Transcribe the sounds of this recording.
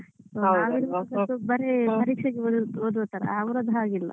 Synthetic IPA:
soaʋiɾʋɐɐkɐt̪ːubɐɾepɐɾiːkʂɐɡeood̪uɐt̪ːɐɾɐ̰aːʋɾɐd̪ʱɐaːɡilːɐ̰

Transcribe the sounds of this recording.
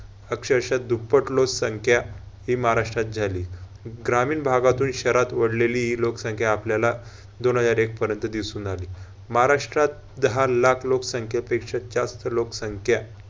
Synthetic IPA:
əkɕəɾɕad̪upːəʈloksəŋkʰja | ɦimaɦaɾaʂʈɾat̪̚d͡zʱaliː | ɡɾamiːnbʱaɡat̪uːnɕəɾat̪ʋəɽleliːɦiloksəŋkʰjaːpljala | d̪onɦəd͡zaɾek̚pəɾjənt̪əd̪isuːnaliː | maɦaɾaʂʈɾat̪̚ | d̪əɦalakʰloksəŋkʰjapekʂad͡ʑast̪əloksəŋkʰja

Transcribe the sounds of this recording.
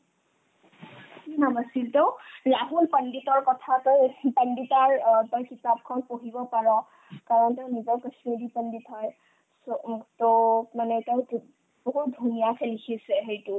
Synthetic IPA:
kinamasiltoʊlaɦulpənditɔɹkɔtʰatɔjpənditaɹtɔjkitap̚kʰɔnpoɦibɔpaɹɔ̃ | kaɹɔnteʊnizɔɹkəsmidipənditɦɔj | sotomanɛteʊ̃ | b̥ɔɦut̚dʱunijakʰɛlikʰisɛɦejtu

